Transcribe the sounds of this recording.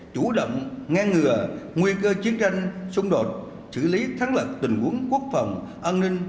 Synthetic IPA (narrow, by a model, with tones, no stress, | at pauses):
t͡ɕu˧˩ɗə̰˧˨wŋ͡mŋaː˧ŋŋɨ˨˩əŋwi˧kəː˧t͡ɕi˨˦ənt͡ɕa˧jŋ̟sʊ˧ŋ͡mɗo˨˩t̚ | sɨ̰˧˩li˨˦t̪ʰa˨˦ŋlə˨˩p̚t̪ï˨˩ŋ̟ʔu˨˦ənku˦˥ək̚fə˨˩wŋ͡mʔa˧nnï˧ŋ̟